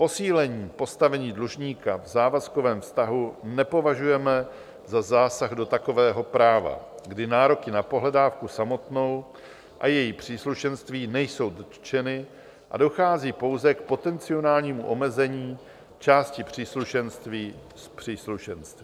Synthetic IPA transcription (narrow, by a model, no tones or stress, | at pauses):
po̞siːlɛɲiːpo̞st̪avɛɲiːdluʒɲiːkavzaːvasko̞vɛːmfst̪aɦunɛpo̞vaʒujɛmɛ | zazaːsaɣdo̞t̪ako̞vɛːɦo̞pɾaːva̰ɡdɪnaːɾo̞kɪnapo̞ɦlɛdaːfkusamo̞t̪no̞w | ʔajɛjipr̝̥iːsluʃɛnst̪viːnɛjso̞wd̪̩ | t͡ʃɛnɪ | ʔa̰do̞xaːziːpo̞wzɛkpo̞t̪ɛnt͡sɪo̞naːlɲiːmuʔo̞mɛzɛɲiː | t͡ʃaːscɪpr̝̥iːsluʃɛnst̪viː | spr̝̥iːsluʃɛnst̪viː